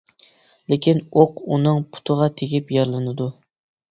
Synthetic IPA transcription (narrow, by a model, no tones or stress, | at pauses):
lekʲʰinoqunɨŋpʰʊ̥t̪ʰɨʁɑt̪ʰeɡʲipjɑɾlˠɨnɨd̪u